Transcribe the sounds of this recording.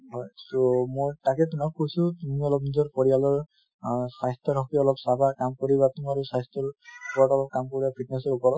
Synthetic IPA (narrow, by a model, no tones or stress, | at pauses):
ɦɔjsomojtakɛt̬unak̚kːojsũtumiɔlɔp̚nizɔɹpɔɹijalɔɹ | sajstɔɾɔkiɔlɔpsabʱakamkɔɹibat̪umaɹusajstʰɔɹpɔʈɔlɔp̚kamkɔɹibapʰit̚nɛsɔɹupɔɹɔ